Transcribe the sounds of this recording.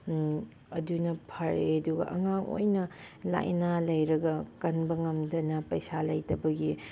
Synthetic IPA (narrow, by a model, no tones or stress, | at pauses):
ɐdunɐpʰɐɾeɐduɡɐ̰ʔɐŋaŋʔo̰jnɐ | la̰jʔnalɐjɾɐɡɐkɐnbɐŋɐmdɐnɐpɐjsalɐjtɐbɐɡi